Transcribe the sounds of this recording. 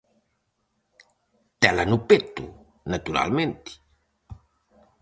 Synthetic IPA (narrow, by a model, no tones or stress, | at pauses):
t̪ɛlanupet̪ṵ | nat̪uɾa̰lment̪i̥